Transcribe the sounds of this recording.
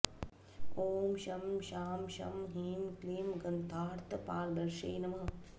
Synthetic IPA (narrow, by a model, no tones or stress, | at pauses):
koːmʃɐmʃaːmʃɐ̰mɦiːmkliːmɡɐnt̪aːɾt̪ɐpaːlb̪ɐɾʂḛːnɐmɐ